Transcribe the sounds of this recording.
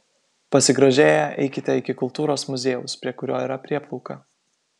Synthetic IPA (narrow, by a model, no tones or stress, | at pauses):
pɐsʲɪɡɾɐʒʲeːjɛʔɛ̰ɪkʲɪt̪ʲɛɪkʲɪkʊlˠt̪uːɾoːsmʊzʲeːjʊspʲɾʲiɛkʊɾʲoːiːɾɐpʲɾʲiɛplˠɔʊkɐ